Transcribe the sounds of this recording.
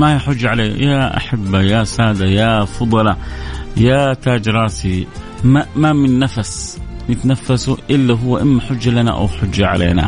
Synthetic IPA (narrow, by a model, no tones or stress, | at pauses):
mahijħʊd͡ʒːʕaleːjaʔa̰ħabːajasaːd̪ajafɑd̪ˤɑlɑjat̪ad͡ʒɾˤɑːsi | mamamɪnːafasnɪt̪nafːasuʔɪlːaɦʊwːaʔɪmːaħʊd͡ʒːalana̰ʔa̰wħʊd͡ʒːaʕa̰lʔḛːna̰